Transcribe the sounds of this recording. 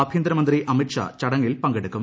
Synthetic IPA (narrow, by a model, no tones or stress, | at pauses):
ɐbʱjɐnd̪ɾɐmɐnd̪riʔɐmiʈʂɐ̰t͡ɕɐɽɐŋːilpɐŋɡeɽukːum